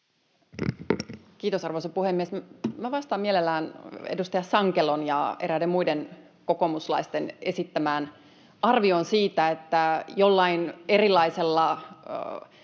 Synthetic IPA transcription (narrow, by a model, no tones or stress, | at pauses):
kiːt̪o̞sɑrʋosɑpuhemːiesmmæʋɑst̪ɑːmielelːæːnḛdust̪ɑjɑsɑŋkelonjɑeɾædemmuiden | ko̞ko̞muslɑ̰ist̪ene̞sit̪ːæmæːn | ɑrʋionsiːt̪æet̪ːæjolːɑinerilːˑɑiselːɑ